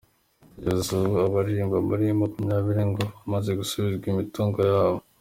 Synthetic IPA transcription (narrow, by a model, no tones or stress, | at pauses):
ɟazzoβoaβaɾiːmbamuɾiemakumɲaːβiɾiŋɡoamaze̞ɡusuβizɡimituːŋɡojaːβo